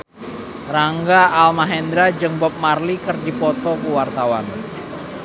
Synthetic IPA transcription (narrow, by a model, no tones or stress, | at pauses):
raŋɡaʔalmaɦɛnd̪ɾad͡ʒɨŋbɔp̚marlikərdipɔt̪ɔkuwart̪awan